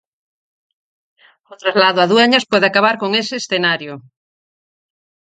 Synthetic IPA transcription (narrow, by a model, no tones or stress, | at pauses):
ot̪ɾazlaðoaðweɲaspweðeakaβ̞aɾkoŋeseːsθenaɾjo